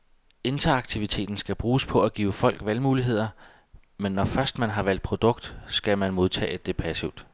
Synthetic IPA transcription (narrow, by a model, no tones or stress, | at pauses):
e̝nd̥ʰɐɑ̈ɡ̥t͡sʰiʋit͡sʰe̝̰ːd̥n̩sɡ̥æb̥ʁuːspʰɒ̽æɡ̥ḭːʊəfɒ̽l̰ɡ̥ʋelmuːliɦe̝ð̰ˠɐ | menːɒfɶɐsd̥mænɦɑ̈ʋæl̰d̥̚pʰʁo̝d̥ɔ̽ɡ̥d̥sɡ̥æmænmo̝ð̞ˠt͡sʰɛ̰ːd̥ːepʰæsiʊd̥